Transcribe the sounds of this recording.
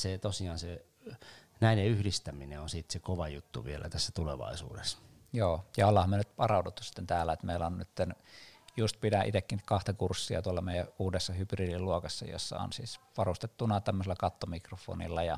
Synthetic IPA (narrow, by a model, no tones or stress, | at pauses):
set̪osiɑːnse | næineyhdist̪æmineonsiːt̪sekoʋɑjut̪ːṵʋielæ̰t̪æsːæt̪uleʋɑ̰isṵːdes | joːjɑolhɑhɑmyønyt̪pɑrɑˑut̪ut̪ːusi̥t̪ːent̪æːlːæet̪meilæonnyt̪ːenjust̪̚pidæʔḭt̪ekːinkɑht̪ɑkursːiɑt̪uɑlːɑmeˑijæuːdesːɑhyb̥riːdilluokɑsːɑ̰jo̰sːɑ̰o̰nsḭːsʋɑrust̪et̪ːunɑt̪æmːøselːɑkɑt̪ːomikrofˑo̰ːnḭlːɑjɑ